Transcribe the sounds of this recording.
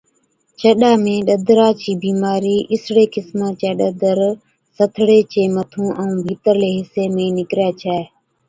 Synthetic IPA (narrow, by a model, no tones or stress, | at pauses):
t͡ʃəɗaːmẽːɗəd̪ʱɾaːt͡ʃiːbiːmaːɾiːʔɪsɽeːkɪsmãːt͡ʃeːɗəd̪ʱəɾ | sət̪ʰɽeːt͡ʃeːmət̪ʰũːʔəũːbʱiːt̪əɾleːɦɪseːmẽːnɪkɾɛːt͡ʃʰɛː